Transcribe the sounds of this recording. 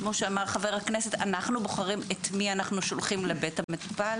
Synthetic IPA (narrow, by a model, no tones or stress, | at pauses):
kmo̞ʃeamaʁχave̞ʁhakne̞se̞tanaχnuboχaʁimetmianaχnuʃolχimlebethametu̥pal